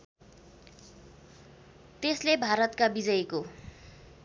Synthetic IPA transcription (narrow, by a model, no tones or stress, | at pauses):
t̪eslebʱaɾʌt̪kabid͡zʌjko